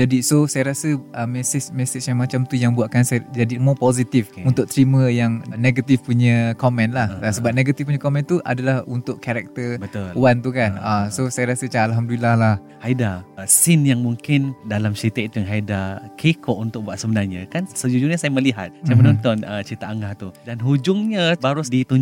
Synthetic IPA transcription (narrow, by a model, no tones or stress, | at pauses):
d͡ʒadisosajaɾasəʔəmɛsɪsmɛsɪsjamat͡ʃamt̪ujaŋbuaʔkansajd͡ʒadimɔpozit̪ifunt̪ʊʔ̚t̪ɾimə̃jaŋneɡat̪ifpuɲə̃komɛ̃nlahsəbap̚neɡat̪ifpuɲə̃komɛ̃nt̪uʔa̰dalahunt̪ʊʔkaɾɛk̚t̪əbəouwant̪ukanasosajaɾasət͡ʃaalɦamdulilahlah | haidasɪnjaŋmuŋkɪndalamʃit̪ɛʔ̚t̪ujaŋɦaidakʰekʰɔʔunt̪ʊk̚buaʔ̪səbənarɲã̰kansəd͡ʒud͡ʒuɲãsajaməliɦa̰t̪̚amənɔnt̪ɔnət͡ʃit̪aʔaŋɡaht̪udanɦud͡ʒʊŋɲəbaɾʊsdit̪uɲ